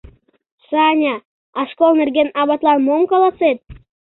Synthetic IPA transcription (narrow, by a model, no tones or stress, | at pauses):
ʃɑnʲɑ | ɑʃkolˠnerɡenɑβɑt̪lɑnmoŋkɑlɑset̪̚